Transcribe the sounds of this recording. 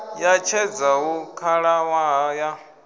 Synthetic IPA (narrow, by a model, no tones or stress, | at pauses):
jat͡ʃʰɛd͡zaɦukʰaɺawaɦaja